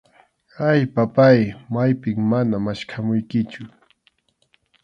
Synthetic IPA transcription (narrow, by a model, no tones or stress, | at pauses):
ajpapajmajpɪŋmanamaʃkʰamʊjkɪt͡ʃʊ